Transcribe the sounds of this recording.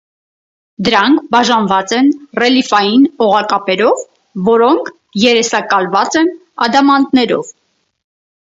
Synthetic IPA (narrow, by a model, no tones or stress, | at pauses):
d̪əɾɑŋkʰbɑʒɑnvɑt͡sɛnrɛlifɑjinɔʁɑkɑpɛɾɔvː | ɔɾɔŋkʰ | jɛɾɛsɑkɑlvɑt͡sɛn | ɑ̰d̪ɑmɑnd̪nɛɾɔ̰v